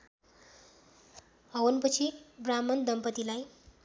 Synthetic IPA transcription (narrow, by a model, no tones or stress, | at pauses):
ʌwʌnpʌt͡sʰibramʌnd̪ʌmpʌt̪ilaj